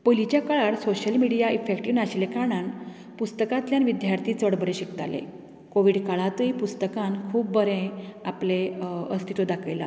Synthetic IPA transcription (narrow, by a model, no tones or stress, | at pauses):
pəlit͡ɕjakaɭaɽsoɕəlmiɽijaifekʈiʋnaɕlekaɽ̃an | pust̪əkãt̪ljanʋid̪jaɾt̪ʰiːt͡səɽbəɾeɕikt̪a̰lḛ | koʋiɽkaɭat̪əipust̪əkãnkʰuːp̚bəɾẽapleəst̪ʰit̪od̪akʰəjla̰